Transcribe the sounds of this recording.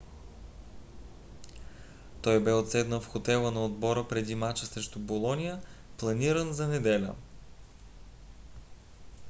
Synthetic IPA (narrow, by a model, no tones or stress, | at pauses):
t̪ɔjbɛot̪sɛd̪nəfxot̪ɛlˠənɐod̪bɔɾəpɾɛd̪imat͡ʃəsɾɛʃt̪ʊbolˠɔnʲijəplˠɐniɾənzɐnɛd̪ɛlʲə̰